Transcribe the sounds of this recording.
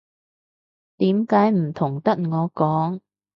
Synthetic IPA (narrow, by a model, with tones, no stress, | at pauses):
t̪iː˨˥mkaː˨˥jm̩˨˩t̪ʰʊ˨˩ŋt̪ɐ˥t̚ŋɔː˨˧kɔː˨˥ŋ